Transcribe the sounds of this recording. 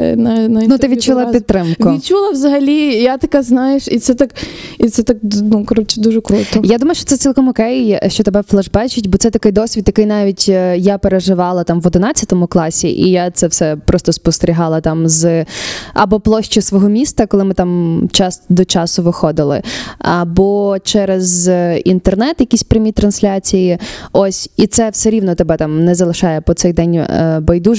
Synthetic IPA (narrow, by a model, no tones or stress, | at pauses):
nɐnɐnut̪ɪʋʲit͡ʃulˠɐpʲidt̪t̪ːɾɪmkʋʊit͡ʃulˠɐʋzɐɦɐlʲijat̪ɐkaznɑjeʃit̪sɛt̪akit̪sɛt̪ak̚nukɾɔt͡ʃɛd̪uʒɛkɾut̪ɔjad̪umɐjʊʃt͡ʃɔt̪ɛsʲilˠkɔmɔkɛjʃt͡ʃɔt̪ebɛflˠɐʒbɛt͡ʃɪtʲbɔt̪sɛt̪ɐkɪjd̪ɔsʲʋʲid̪jɐkɪjnɑʋʲitʲjapeɾeʒɪʋɑlˠɐt̪ɑmʋɔd̪ɪnɑt͡sʲɐt̪ɔmʊklˠɑsʲḭʔḭjat̪sɛwsɛpɾɔst̪ɔspɔst̪eɾʲiɦɑlˠɐt̪ɑmz | ɐ̰bɔplˠɔʃt͡ʃɪsʋɔɦɔmʲist̪ɐkɔlˠɪmɪt̪ɑmt͡ʃɑsd̪ɔt͡ʃɑsʊʋɪxɔd̪ɪlˠɪ̰ɐbɔt͡ʃɛɾezint̪ernɛt̪jɐkʲisʲpɾʲɪmʲit̪ɾɐnsʲlʲat͡sʲijiɔsʲit̪sɛwsɛɾʲiʋnɔt̪ɛbɛt̪ɑmnɛzɐlˠɪʃɑjɛpɔt̪sɛjd̪ɛnʲbɐjd̪u